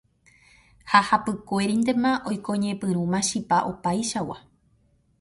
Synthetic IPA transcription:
hahapɨkʷe̞ɾind̪emãʔo̞jkõ̞ɲẽ̞pɨ̃ɾũmãʃipaʔo̞pajʃawa̰

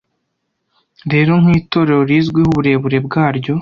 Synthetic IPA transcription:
ɾe̞ɾo̞ŋ̥hiːto̞ɾe̞ɾo̞ɾiːzɡwihuβuɾe̞ːβuɾe̞bɡaːɾɟo̞

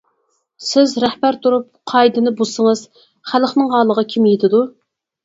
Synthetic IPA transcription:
sɪzɾɛχbæɾt̪ʰuɾup̚qʰɑjd̪ɨnɨbosəŋɨz̥ | χælχnɨŋɦɑːlˠəʁɑkʲʰimjet̪ʰɪd̪u

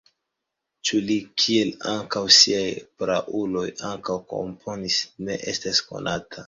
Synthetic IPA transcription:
t͡ʃulikʰie̞laŋkawsiajpɾaʔulo̞jaŋkawko̞̰mpʰo̞nisne̞̰ʔe̞stasko̞̰nʔatʰa

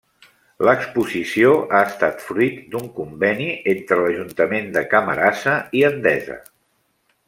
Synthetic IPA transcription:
ləkspuzisioʔaəst̪at̪fɾuit̪d̪uŋkumbɛniʔent̪ɾələʒunt̪əmend̪əkəmə̰ɾasəiənd̪ɛzə̰

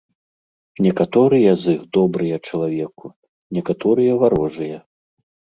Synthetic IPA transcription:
nʲɛkat̪ɔɾɨjɐziɣd̪ɔbɾɨjɐt͡ʂɐlˠavʲɛku | nʲɛkat̪ɔɾɨjɐvaɾɔʐɨjɐ

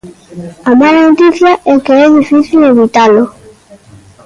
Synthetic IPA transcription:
amalanot̪iθjaʔɛkeɛðifiθild̪eβit̪alʊ

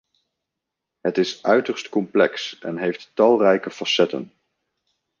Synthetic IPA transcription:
ɦətɪsœɥtəɹstkɔmplɛksɛ̰nɦejftːɑlˠrɛjkəfɑsɛtə̰n

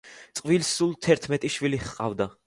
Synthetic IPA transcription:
t̪sʼqʼvilsulˠt̪ʰɛɾt̪ʰmɛt̪ʼiʃviliχqʼa̰vd̪a

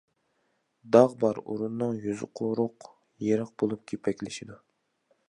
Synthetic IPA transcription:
d̪ɑʁbɑɾṵɾunːɨŋjyzɨqʰoɾʊq | jeɾəq̚bolˠup̚kʲʰepʰɛkʲlɪʃid̪u

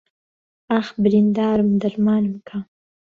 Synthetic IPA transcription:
axbɾind̪ɑːɾmd̪aɾmɑːnəmkʰa

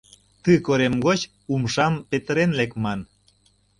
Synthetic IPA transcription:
t̪ɯkoɾemɡot͡ɕ | umʃɑmpet̪əɾenlekmɑn

